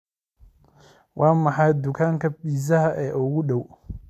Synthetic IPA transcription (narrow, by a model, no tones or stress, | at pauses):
wʔɑːmɑħɑjd̪ʊkʰaːŋkʰɐbiːsɐɦɐʔɛːʔʊɣʊɗɔw